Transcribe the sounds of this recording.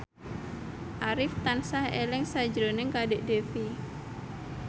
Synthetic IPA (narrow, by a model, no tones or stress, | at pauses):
ʔaɾɪft̪ansahḛlɪŋsḁd͡ʒɾonɪŋkadeʔdefi